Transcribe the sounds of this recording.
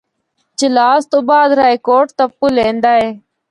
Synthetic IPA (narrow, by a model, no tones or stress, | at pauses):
t͡ʃɪlaːst̪uːbaːd̪ɾaːikoːʈt̪əpːulẽːnd̪aːɦeː